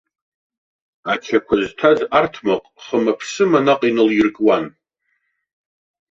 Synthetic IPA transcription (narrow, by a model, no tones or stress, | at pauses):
at͡ʃʰakʷʰaztʰazartʰmaqʼχəmapʰsɨmanaqʼinɨljɪrɡʼwan